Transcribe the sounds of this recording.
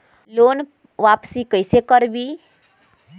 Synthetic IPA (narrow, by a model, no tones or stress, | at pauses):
lon | ʋapsikəjsekəɾbi